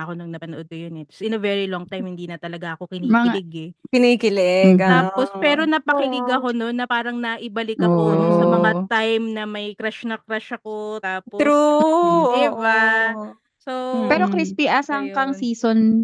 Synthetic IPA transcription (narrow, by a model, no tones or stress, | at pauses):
ɐkonɐŋnɐpɐnoʔod̪̚kɐjonɛt̪ɐ̥sɪnɐvɛɹiloŋt̪ajmhɪnd̪iːnɐt̪ɐlɐɡaʔɐko̞kɪnimɐːŋkɪalɪɡɛkɪnikɪlɛɡɐt̪aːpospɛːɾo̞nɐpɐkɪlɪɡɐko̞no̞nːɐpaːɾɐŋnɐʔɪbɐlɪkːɐonsɐmɐŋat̪ajmnɐmɐjkɾaʃnɐkɾaʃɐko̞t̪aːpot̪ɾud̪iba | sopɛːɾo̞kɾispiʔaːsaɐŋkɐŋsiːson